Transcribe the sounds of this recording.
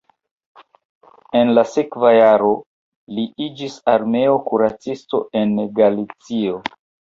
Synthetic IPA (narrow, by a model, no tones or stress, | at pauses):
e̞nlasekvajaɾo̞ | liʔid͡ʒisaɾme̞o̞kuɾat͡sisto̞̰e̞nɡalit͡sio̞